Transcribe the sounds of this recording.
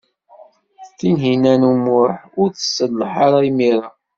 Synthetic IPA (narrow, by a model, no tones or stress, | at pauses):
θinɦinænumʊħʊɾθə̥səlːəħaɾˤaimiɾˤɑ